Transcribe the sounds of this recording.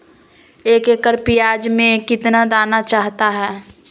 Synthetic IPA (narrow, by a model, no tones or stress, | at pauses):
eːkekəɾpijaːd͡ʒmẽkɪt̪nad̪aːnat͡ʃaːɦt̪aɦɛː